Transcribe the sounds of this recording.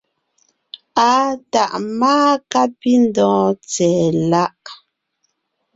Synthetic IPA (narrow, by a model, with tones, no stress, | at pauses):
a˦ta˨ʔmaː˦ka˦pi˦n˦dɔ̃ː˨˦t͡sɛ˨la˦ʔ